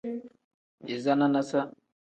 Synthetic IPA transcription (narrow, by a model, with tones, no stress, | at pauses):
i˨za˦na˦na˦sa˦